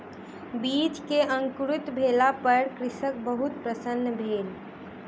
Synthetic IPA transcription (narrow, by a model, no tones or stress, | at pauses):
bit͡ʃkeʔə̃ŋkɾʊt̪bʱelapəɾkɾɪsək̚bəɦut̪̚pɾəsənːəbʱeːl